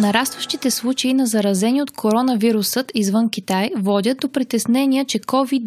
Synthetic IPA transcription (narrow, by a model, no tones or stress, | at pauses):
nɐɾast̪vəʃt̪it̪ɛslˠut͡ʃeinɐzɐɾɐzɛniot̪kʰoɾɔnɐviɾusɤt̪izvɤnk̟ʲit̪ajvɔd̪ʲəd̪̚d̪opɾit̪ɛsnɛnʲiət͡ʃɛkɔvid̪